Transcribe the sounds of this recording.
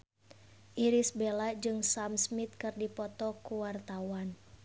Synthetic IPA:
ʔiɾisbelad͡ʒɨŋsamsmit̪̚kɨrdipɔt̪ɔkuwart̪awan

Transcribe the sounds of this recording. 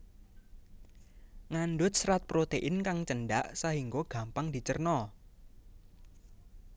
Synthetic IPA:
ŋanɖʊt̪̚sɾat̪̚pɾot̪eʔɪnkaŋt͡ʃənɖaʔsaɦiŋɡoɡ̥a̤mpaŋd̪̥i̤t͡ʃərnɔ

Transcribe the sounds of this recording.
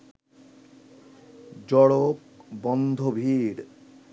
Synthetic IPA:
d͡ʑɔɽopbɔnd̪ʱobʱiɾ

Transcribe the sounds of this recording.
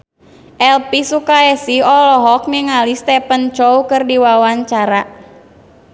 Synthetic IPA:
ʔɛlpisukaɛsiɔlɔɦɔk̚niŋalist̪ɛpənt͡ʃoukɨrdiwawaɲt͡ʃaɾa

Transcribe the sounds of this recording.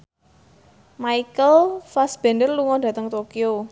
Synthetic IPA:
maikəlfasb̥ɛndərluŋɔd̥ä̤t̪əŋt̪okio

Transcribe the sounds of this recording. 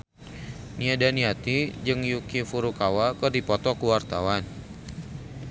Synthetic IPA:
niadaniat̪id͡ʒɨŋjukifuɾukawakɨrdipɔt̪ɔkuwart̪awan

